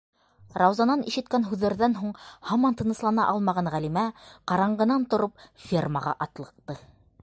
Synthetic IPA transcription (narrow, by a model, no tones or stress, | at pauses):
rɑwzɑnɑniʃɘ̆t̪̚kænɦʉðːæɾðænɦuɴhɑmɑnt̪ɤ̆nɤ̆slˠɑnɑʔɑlˠmɑʁɑnʁælimæqɑɾɑɴɢɤ̆nɑnt̪ŏɾop̚fʲirmaʁɑ̰ʔɑt̪lˠɤ̆q̚t̪ɤ